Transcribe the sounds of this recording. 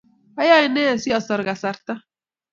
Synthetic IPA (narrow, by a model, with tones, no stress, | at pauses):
a˦ja˦i˦nɛ˦˨si˦ɔ˨sɔ˨ɾɡa˨sa˨ɾt̪a˦